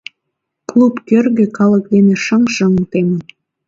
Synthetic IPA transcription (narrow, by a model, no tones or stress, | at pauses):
klˠupkørɣĕkɑlək̚d̪enĕʃəŋʃəŋt̪emən